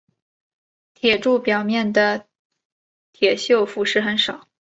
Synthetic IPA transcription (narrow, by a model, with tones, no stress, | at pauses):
t̪ʰjɛ˨˩ʈ͡ʂu˥˩pjɑ˨˩ʊmjɛ˥˩nd̪ə˩ | t̪ʰjɛ˨˩ɕjo˥˩ʊfu˧˥ʂɻ̩˥˩xə˧˥˦nʂɑ˨˩˦ʊ